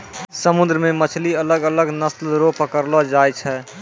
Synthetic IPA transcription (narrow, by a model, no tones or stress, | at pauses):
səmud̪ɾəmemət͡ʃʰliələɡələɡnəslɾopəkəɾlɔd͡ʒajt͡ʃʰɛ